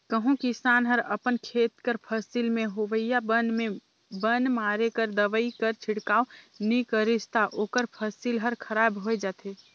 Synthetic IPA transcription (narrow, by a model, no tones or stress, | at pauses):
kəɦũkisanɦəɾəpənkʰet̪kəɾpʰəsilmẽɦoʋəijabənme | bənmaɾekəɾd̪əʋəikəɾt͡ʃʰiɽkao | nikəɾid͡ʒt̪aʔoːkəɾpʰəsilɦəɾkʰəɾabɦojd͡ʒat̪ʰe